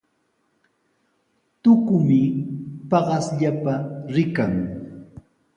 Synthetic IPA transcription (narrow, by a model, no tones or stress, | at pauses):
t̪ʊkʊmɪpɑɢɑsʎapaɾɪkaŋ